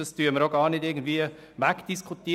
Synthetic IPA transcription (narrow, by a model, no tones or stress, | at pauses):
ɑstyːɐməɾoɡɑːɾnɪdɪɡən̩d̥viːə | ʋækd̥iskʰutiː